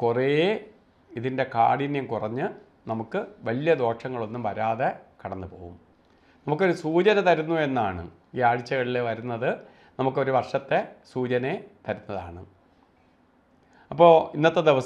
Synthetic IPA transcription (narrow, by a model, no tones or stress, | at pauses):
kure | iðinde̞ka̰ːɽinjɐmkurɐɲːɨ | nɐmukːɨʋɐlijɐd̪o̞ːʂɐŋːɐɭo̞nːumʋɐɾaːðekɐɽɐnːɨpoːɣṵm | nɐmukːo̞ɾusuːt͡ɕɐnɐt̪ɐɾunːue̞nːaːɳɨ̰ | iːaːɻit͡ɕːɐɣɐɭileʋɐɾunːɐðɨ | nɐmukːo̞ɾuʋɐrʂɐt̪ːe̞suːt͡ɕɐnet̪ɐɾunːɐða̰ːɳɨ̰ | ɐpːo̞ːinːɐt̪ːed̪eʋɐs